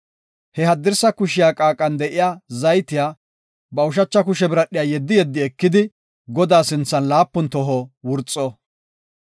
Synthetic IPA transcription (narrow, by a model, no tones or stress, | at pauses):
hɛhɐd̪ːɪɾsɐkʊʃɪjaːkʼaːkʼːɐnd̪ɛʔɪjaːzɐjt̪ɪjaː | bɐʊʃ̬ɐt͡ʃːɐk̬ʊʃɛbɪɾɐɗɪjaːjɛd̪ːɪjɛd̪ːɪɛkːɪd̪ɪ | ɡɔd̪aːsɪnt͡sːɐnlaːpːʊnt̪ɔɦɔwʊɾt͡sʼːɔ